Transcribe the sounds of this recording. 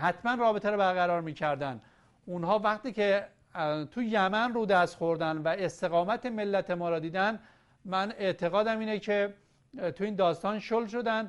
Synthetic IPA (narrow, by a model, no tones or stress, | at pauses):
hæt̪mænrɒːbet̪ʰeɾɔbæɾɣæɾɒːɾmiːcʰæɾd̪æn | unɦɒːvæχt̪iːcʰe | t̪ʰujæmænruːd̪æst̪xo̞ɾd̪ænd̪væest̪e̞ɣɒːmæt̪ʰemelːæt̪ʰe̞mɒːɾɒːd̪iːd̪æn | mæne̞ʔt̪ʰe̞ɣɒːd̪æmiːnecʰe | t̪ʰuiːnd̪ɒːst̪ɒːnʃolʃo̞d̪ænd̪